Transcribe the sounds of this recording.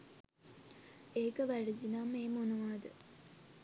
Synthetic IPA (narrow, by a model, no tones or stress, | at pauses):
eːkəʋæɖid͡ʒinameːmonəʋaːd̪ə